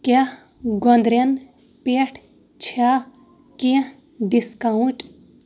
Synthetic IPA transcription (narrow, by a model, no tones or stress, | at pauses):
ke | ɡond̪ɾen | peːʈʰ | t͡ʃʰa | kĩ | ɖiskaũʈ